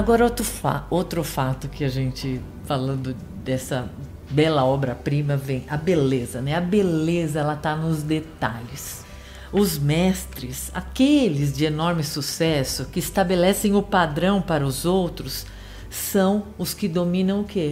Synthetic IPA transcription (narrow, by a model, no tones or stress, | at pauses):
aɡɔɾɐot̪ɾʊfa̰owt̪ɾʊfat̪ʊkɪaʒẽnt͡ʃɪ | falɐ̃nd̪ʊ | d̪ɛsɐ | bɛlɐɔbɾɐpɾĩmɐvẽj̃ɐbelezɐnɛɐbelezɐɛlɐt̪anʊzd̪et̪aʎɪs | ʊzmɛst̪ɾɪsa̰kelɪzd͡ʒɪenɔɾmɪsusɛsʊkɪːst̪abelɛsẽj̃ʊpad̪ɾɐ̃w̃paɾɐʊzowt̪ɾʊsː | ɐ̃w̃ʊskɪd̪omĩnɐ̃w̃ʊke